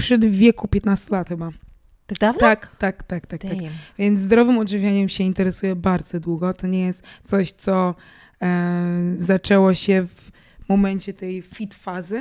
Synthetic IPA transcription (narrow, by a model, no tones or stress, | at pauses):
pʂɛd̪vʲjɛkupʲjɛt̪nast̪ulat̪xɘba | avakt̪akt̪akt̪akt̪akvʲjɛnt̪zd̪ɾɔvɘmɔd̪ʐɨvʲjaɲɛmɕɛint̪ɛɾɛsujɛbaɾd̪zɔd̪wuɡɔt̪ɔɲɛjɛst̪t̪sɔɕt̪sɔ | zat͡ʂɛwɔɕɛv | mɔmɛɲt͡ɕɛt̪ɛjfʲit̪fazɘ